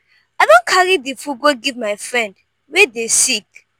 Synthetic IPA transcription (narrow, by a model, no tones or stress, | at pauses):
adɔ̃nkʰaɹidifuɡoɡivmajfɹɛ̃nd | wɛdesik